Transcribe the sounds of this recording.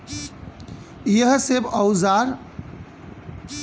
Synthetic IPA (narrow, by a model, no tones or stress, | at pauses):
jəɦsebəwzaɾ